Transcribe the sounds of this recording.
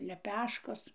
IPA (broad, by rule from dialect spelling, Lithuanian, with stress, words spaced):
lʲɛˈpʲæːʃkoːs